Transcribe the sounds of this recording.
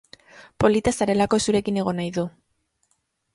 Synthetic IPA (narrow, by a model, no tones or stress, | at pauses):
po̞lit̪asaɾe̞lako̞esuɾe̞kine̞ɣo̞najðu